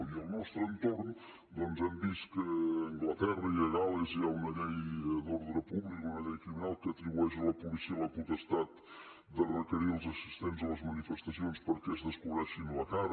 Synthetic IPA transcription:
iəlˠnɔst̪ɾənt̪orn | d̪ɔnzɛmbist̪kəːŋɡlət̪ɛrəiəɣaləziaunəʎɛjd̪oɾðɾəpuβlikunəʎɛjkɾiminalˠkəːt̪ɾiβuɛʃələpulisiələput̪əst̪at̪ | d̪ərəkəɾiəlˠzəsist̪enzələzmənifəst̪əsionspəɾkɛəzðəskuβɾɛʃinlək̪ar

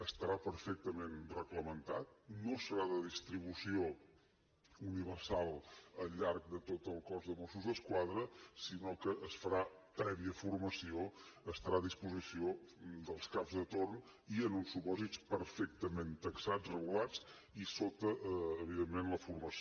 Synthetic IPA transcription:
əst̪əɾapəɾfɛk̚t̪əmenrəɣləmənt̪at̪̚nosəɾaðəðist̪ɾiβ̞usio | uniβəɾsalˠəʎːaɾk̚d̪ət̪ot̪əlˠkɔzðəmosuzðəskwaðɾəsinokəʔːsfəɾapɾɛβiəfuɾməsioəst̪əɾaðispuzisiod̪əlˠskapzðət̪orn | iənunsːupɔzit͡spəɾfɛk̚t̪əment̪əksad͡zrəɣ̞ulat͡s | isot̪əʔːβiðemːenləfuɾməs

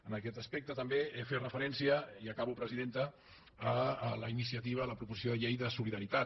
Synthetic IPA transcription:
ənəkɛt̪əspɛk̚t̪ət̪əmbeeferəfəɾɛnsiəiəkaβupɾəziðent̪əː | ləinisiət̪iβ̞ələpɾupuzis̬ioðəʎejðəsuliðəɾit̪a

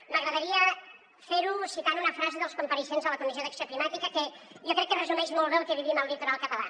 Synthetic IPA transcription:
məɣɾəðəɾiə | feɾusit̪anunəfɾazeðəlˠskumpəɾiʃenzðələkunizioðəksioklimat̪ikəkɛ | jokɾɛkːərəzumɛʃmɔlˠβelˠkɛβiβinəlˠlit̪uɾalˠkət̪əla̰

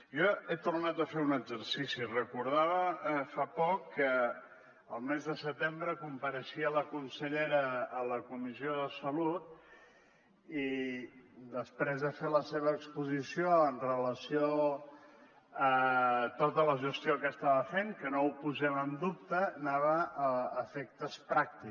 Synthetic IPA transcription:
jɔet̪urnat̪əfeunəɡzəɾsisirəkuɾð̞aβəfapɔkːəː | lˠmezðəsət̪embɾəkumpəɾəʃiələkunsəʎeɾəːləkumizioðəsəlut̪̚ | i | d̪əspɾezðəfeləseβ̞əːkspuzisioənrələsio | ət̪ot̪ələʒəst̪jiokəst̪aβəfeŋkənoupuzɛmənd̪up̚t̪ənaβ̞əəːfek̚t̪əspɾak̚t̪i

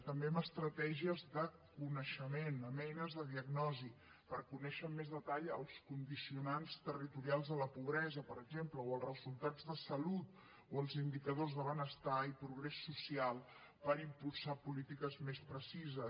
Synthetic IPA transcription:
t̪əmbeəməst̪ɾət̪ɛʒiəzðə | kunəʃəmenəmɛjnəzðəðiəɡnɔzi | pəɾkunɛʃəmːezðət̪aʎəlˠskund̪isiunanst̪ərit̪uɾialˠzðələpuβɾɛzəpəɾəɡʒempləoəlˠrəzulˠt̪ad͡zðəsəlut̪ | oəlˠzind̪ikəð̞ozðəβənəst̪aipɾuɣɾɛsːusialˠ | pəɾimpulˠsapulit̪ikəzmespɾəsizə

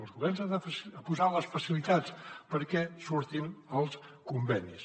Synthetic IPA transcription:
əlˠzɣuβɛɾnzaəfəpuzaləsfəsilit̪at͡spəɾkɛsuɾt̪inəlˠskumbɛnis

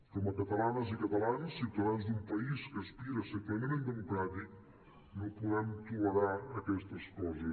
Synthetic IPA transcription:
kɔmɐkɐt̪ɐlanɐzikɐt̪ɐlansːit̪ɐðanzd̪umpɐiskəːspiɾɐsət̪amemend̪əmukɾat̪ik | nopuðɛmt̪uɐɾaɐkɛst̪ɐskɔzə

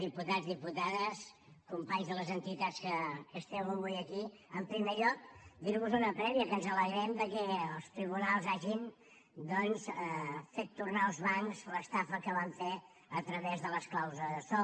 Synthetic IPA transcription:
d̪iput̪azðiput̪aðəs | kumpaɲzðələzənt̪it̪at͡skəkəst̪ɛwəβujəki | əmpɾimeʎɔk̚d̪iɾβuzunəpɾɛβiəkənzələɣɾɛmd̪əkɛəlˠst̪ɾiβ̞unalˠzaʒin | d̪ɔnzəfet̪ːurnaəlˠzβaŋzləst̪afəkəβaɱfe | ət̪ɾəβezðələsklawzəðəsɔ

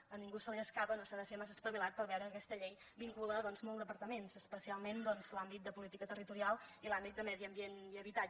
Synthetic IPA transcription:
əniŋɡusəliəskapənosaðəsemas̬əspəβilat̪̚pəɾβɛwɾəːkɛst̪əʎej | biŋkuləðɔnzmɔlˠd̪əpəɾt̪əmenzəspəsialˠmend̪ɔnzlambit̪̚d̪əpulit̪ikət̪ərit̪uɾialˠilambit̪̚d̪əmɛðiəmbieniəβit̪a

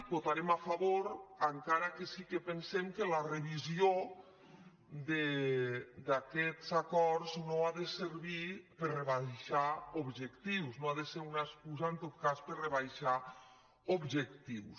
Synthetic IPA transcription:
bot̪aɾemafaβoɾaŋkaɾakesikepensemkəlareβizio | d̪e | d̪akɛt̪zakɔɾznoaðeseɾβipəɾreβajʃaobʒekt̪iwsnoaðeseɾunaeskuzaent̪ot̪̚kaspəɾreβajʃa | obʒekt̪iws

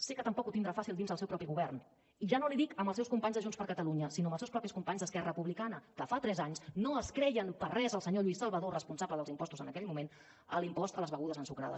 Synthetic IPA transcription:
sekət̪əmpɔkut̪ind̪ɾafasilˠd̪inzðəlˠsɛwpɾɔpiɣuβɛrn | iʒanoliðikəmbəlˠsɛwskumpaɲzðəʒunspəɾkət̪əluɲəsinoəmbəlsɛwspɾɔpiskumpaɲzðəskɛrəpuβlikanəkəfat̪ɾɛzaɲsnoəskɾɛjənpərrɛzəlˠsəɲoʎuisəlˠβəðorəspunsaβləðəlˠzimpɔst̪uzənəkɛʎmumen | əlimpɔst̪ələzβəɣuðəzənsukɾa̰ðə̰s

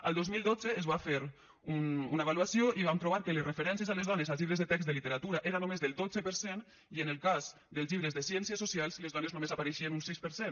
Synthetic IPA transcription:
a̰lˠd̪ozmilˠd̪od͡zeːzβafeɾ | ununaeβaluasioʔiβamp̪ɾoβaɾkəlesrefeɾɛnsjəzalezðɔnezalˠzʎiβɾəzðet̪ɛksd̪əlit̪əɾat̪uɾaʔeɾanomezðəlˠd̪od͡zəpəɾsen | iənəlˠkaz | d̪əlˠzʎiβɾəzðəsjɛnsiəsosialˠzlezðɔneznomezapaɾeʃiənunsispəɾsen

